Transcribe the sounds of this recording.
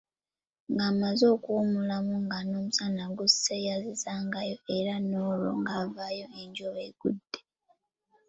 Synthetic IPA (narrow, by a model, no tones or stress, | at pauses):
ŋɡaːmazo̞ːkuːmulamuŋɡano̞ːmusanaɡusːejazizaːŋɡajo̞eɾanoːlo̰ŋɡaːvajo̞eɲɟoβeɡ̥udːe